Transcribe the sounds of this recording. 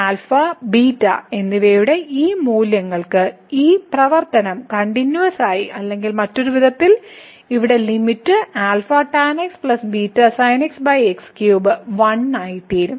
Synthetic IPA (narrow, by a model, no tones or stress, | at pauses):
aːlfɐbiːtːɐ̰e̞nːiʋejuɽe̞ʔiːmuːljɐŋːɐɭkɨ | iːprɐʋɐrt̪ɐnɐmkɐɳɖinjuɐsaːjiʔɐlːe̞ŋɡilmɐtːo̞ɾuʋiðʱɐt̪ːil | iʋiɽe̞limitːɨaːlfɐʈːaːnekspɭɐsbiːtːɐsɐjneksbɐjekskjuːbɨʋɐnːaːjit̪ːiːɾum